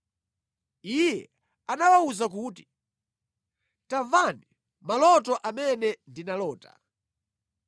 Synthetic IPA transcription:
ijɛ | anawauzak̬uːti̥ | tavani | malɔtɔʔamɛnɛndinalɔːta̰

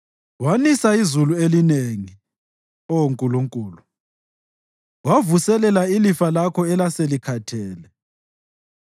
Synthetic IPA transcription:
wanisaizuluelineŋi | ɔwoŋkʼuluŋkʼuːlu | wavusɛlɛlailifalakʰɔɛlaselikʰatʰɛːlɛ

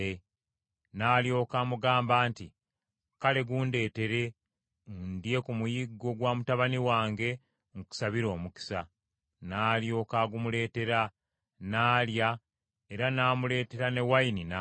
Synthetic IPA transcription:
e | naːljo̞ːkaːmuɡaːmbaːnti | kale̞ɡuːnde̞ːte̞ɾe̞ | undje̞kumujiɡːo̞ɡwaːmutaβaniwaːŋɡe̞ | ŋuku̥saβiɾo̞ːmuki̥sa | naːljo̞ːkaːɡumule̞ːte̞ɾa | naːlja | e̞ɾanaːmule̞ːte̞ɾane̞wainina

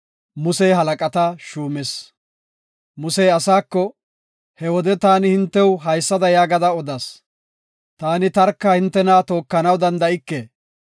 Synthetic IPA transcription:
mʊsɛjɦɐlɐkʼɐt̪ɐʃuːmɛs | mʊsɛjɐsaːkːɔ | hɛwɔd̪ɛt̪aːnɪhɪnt̪ːɛwɦɐjsːɐd̪ɐjaːɡɐd̪ɐɔd̪ɐs | t̪aːnɪt̪ɐɾkːahɪnt̪ːɛnaːt̪o̞ːkːɐnɐwd̪ɐnd̪ɐɪkːeː

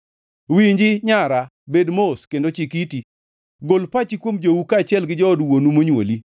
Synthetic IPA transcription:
wiɲd͡ʒɪɲaɾa | bedmoskendot͡ʃikiti | ɡolpat͡ʃikwomd͡ʒowukat͡ʃɪɛlɡɪd͡ʒɔːdwonumoɲwo̰li

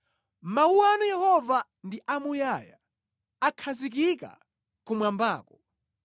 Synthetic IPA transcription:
mauwanujɛhɔva | ndiʔamujaja | akʰazikika̰ | kumwambaːkɔ

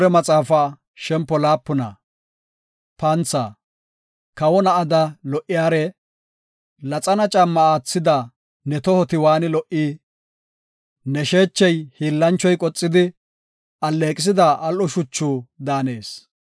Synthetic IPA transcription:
ɾɛmɐt͡sʼaːfa | ʃɛmpːɔlaːpːʊnɐ̰ | pɐnt͡sːa̰ː | kɐwɔnɐʔɐd̪ɐlɔʔɪjaːɾɛ | lɐt͡sʼɐnɐt͡ʃʼɐmːɐaːt͡sːɪd̪ɐ | nɛt̪ɔhɔt̪ɪwaːnɪlɔʔi | nɛʃe̞ːt͡ʃːɛjhiːlːɐnt͡ʃːɔjkʼɔt͡sʼːɪd̪ɪ | ɐlːeːkʼɪs̬ɪd̪ɐʔɐlʔɔʃʊt͡ʃːuːd̪aːne̞ːs

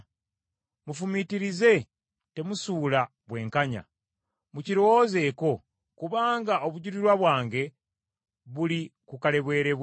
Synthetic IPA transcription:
mufumitiɾize̞ | te̞musuːla | βwe̞ːŋkaɲa̰ | muciɾo̞woze̞ko̞ | kuβaːŋɡao̞βuɟuɾiɾwaβwaːŋɡe̞ | βulikukale̞βwe̞ːɾe̞β

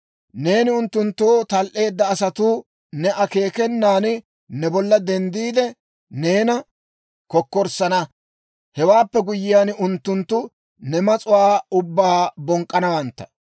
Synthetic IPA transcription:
ne̞ːnɪʊnt̪ːʊnt̪ːoːt̪ɐlʔe̞ːd̪ːɐːsɐt̪uː | nɛʔɐke̞ːkɛnːaːn | nɛbɔlːɐd̪ɛnd̪iːd̪ɛ | ne̞ːnɐ | kɔkːɔɾsɐnɐ | hɛwaːpːɛɡʊjːɪjaːnʊnt̪ːʊnt̪ːʊ | nɛmɐt͡sʼʊwaːʊbːaːbɔŋkʼːɐnɐwɐnt̪ːɐ̥

